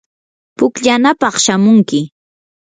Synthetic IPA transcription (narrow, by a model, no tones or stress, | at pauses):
pʊkʎanapɑχʃamʊŋkɪ